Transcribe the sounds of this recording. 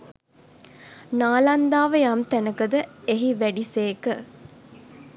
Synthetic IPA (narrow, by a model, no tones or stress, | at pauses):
naːland̪aːʋəjamt̪ænəkəd̪əeɦiʋæɖiseːkə